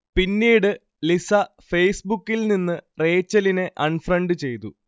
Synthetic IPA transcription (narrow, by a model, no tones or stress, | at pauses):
pinːiːɽɨ | lisɐ | fe̞jsbukːilninːɨre̞ːt͡ɕːɐline̞ʔɐɳfrɐɳɖɨt͡ɕe̞jt̪u